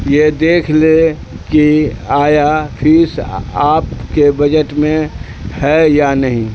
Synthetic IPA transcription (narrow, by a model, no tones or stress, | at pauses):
jed̪eːkʰle | kiaːjapʰɪsaːpkebəd͡ʒəʈmẽ | hɛjanəɦĩ